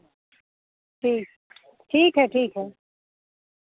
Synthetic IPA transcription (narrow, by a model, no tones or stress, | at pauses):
ʈʰiːk̚ | ʈʰiːkɦɛʈʰiːkɦɛ